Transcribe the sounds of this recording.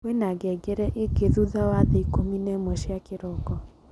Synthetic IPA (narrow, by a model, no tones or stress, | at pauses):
wenaɡɛɡeɾɛʔeɡeðuðawaðeikominɛmwɛʃiakeɾɔkɔ